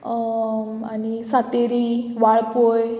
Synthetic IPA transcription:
anisat̪eɾiʋaɭpoj

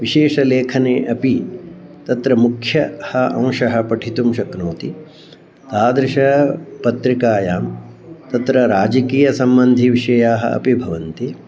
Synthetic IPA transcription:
ʋiʃeːʃɐleːkʰɐneːʔɐpit̪ɐt̪ɾɐmukʰjɐhɐʔɐ̃w̃ʃɐɦɐ̆pɐʈʰit̪umʃɐknoːt̪i | t̪aːd̪ɾɐʃɐɦɐpɐt̪ɾikaːjaːm | t̪ɐt̪ɾɐɾaːd͡ʒɐkiːjɐsɐmbɐnd̪ʱiʋiʂɐjaːɦɐ̰ɐ̰pibʱɐʋɐnt̪i

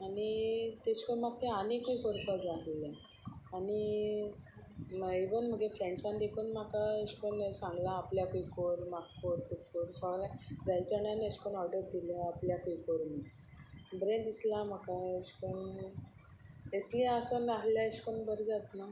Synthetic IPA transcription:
anit̪et͡ɕkənmaɡ̚t̪eanikuikoɾkɔd͡zaɦle | ani | iʋənm̤əɡefɾẽɳɖsãnd̪ekʰunm̤akaeɕkənsãŋɡlaːpljakuikoɾmakkoɾt̪ukoɾsɔɡlad͡zajt͡saɳanəɕkənawɖəɾd̪ileapljakujkoɾmi | bɾẽd̪islamakaeɕkən | esliasənɾaɦljaeɕkəɳbəɾd͡zat̪na

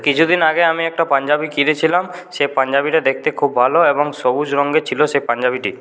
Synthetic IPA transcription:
kit͡ɕʰud̪inaɡeamiɛk̚ʈapand͡ʑabikiɾet͡ɕʰilamʃepand͡ʑabiʈad̪ek̚ʰt̪ekʰubːʱaloeboŋʃobud͡ʑɾɔŋɡet͡ɕʰiloʃepaɲd͡ʑabiʈi

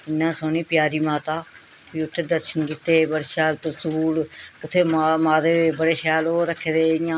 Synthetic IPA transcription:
ɪnːãːsoːniːpjaːɾiːmaːt̪aː | piːʊt̪ʰːeːd̪əɾʃənkiːt̪eːbəɽeːʃɛːlt̪əsuːlʊt̪ʰːeːamaːd̪eːbəɽeːʃɛːloːɾəkʰːed̪eːɪjãː

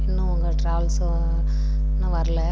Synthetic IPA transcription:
ɪnːũʊŋɡɐʈɾaːʋɐls | nãʋɐɾɐlɛ

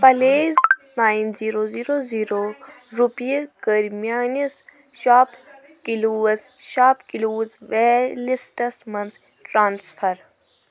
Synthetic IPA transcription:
pɐleːznaːinziːɾoːziːɾoːziːɾoː | ɾupijekəɾmjaːnis | ʃaːp | kiluːzʃaːpkiluːzʋelisʈɐsmɐnt͡s | ʈɾãːnsfʰɐɾ

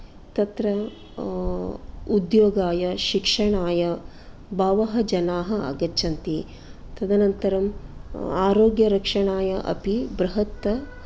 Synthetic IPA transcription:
t̪ɐt̪ɾɐ | ud̪joːɡaːjɐʃikʂɐɳaːjɐ | baːʋɐɦɐd͡ʒɐnaːɦɐa̰ɡɐt͡ʃʰɐnt̪i | t̪ɐd̪ɐnɐnt̪ɐɾɐm | aːɾoːɡjɐɾɐkʂɐɳaːjɐʔɐ̰pibɾɐɦɐt̪ːɐ

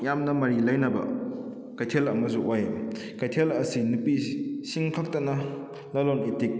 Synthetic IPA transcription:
jamnɐmɐɾilɐjnɐbɐ̰ | kɐjtʰelɐmɐsuʔoj | kɐjtʰelɐsinupisiŋkʰak̚tɐnɐ | lɐlonetik̚

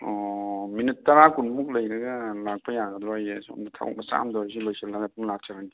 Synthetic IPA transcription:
ɔminitːɐɾakunmuk̚lɐjɾɐɡɐlak̚pɐjaɡɐd̪ɾɔajesɔmdatʰa̰wa̰k̚masa̰mdɔɾs̬ibajselaɡat̚uŋlak̚t͡ʃʰaɾani

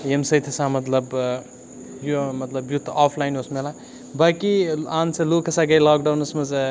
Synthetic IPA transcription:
emsɐjt̪ʰɐsamɐt̪lɐb | jomɐt̪lɐbjut̪ʰːaːpʰlajnosmela | baːkiaːnsɐlokɐsaɡɐjlaːk̚ɖawnɐsmɐz

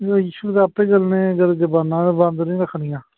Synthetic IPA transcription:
ɡjiːʃud̪aːpːeːɡəlnẽːɡəɾd͡ʒəbaːnãːbãːnd̪nĩːɾəkʰɽijãː

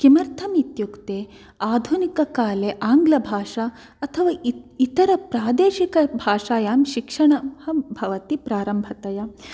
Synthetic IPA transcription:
kimɐɾt̪ʰɐmit̪jukt̪eː | aːd̪ʱunikɐkaːleʔaːŋɡlɐbʱaːʂa | ɐt̪ʰɐʋaːit̪ɐɾɐpɾaːd̪eːʃikɐbʱaːʂaːjaːmʃikʂɐɳɐhɐbʱɐʋɐt̪ipɾaːɾɐmbʱɐt̪ɐja

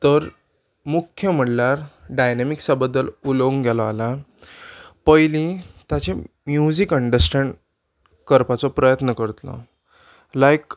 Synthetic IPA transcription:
t̪əɾ | mukʰjəm̤əɽlaɾɖajnemiksabəd̪ːəlulə̃ŋɡɡʱjalɔala | pəjlĩt̪jat͡ɕemjud͡ʑikəɳɖəɾsʈʰaɳɖ | kəɾpat͡sɔpɾəjət̪nəkəɾt̪lɔ̰ | lajk

